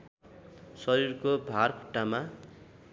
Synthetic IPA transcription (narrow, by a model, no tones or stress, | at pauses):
sʌɾirkobʱarkʰuʈːama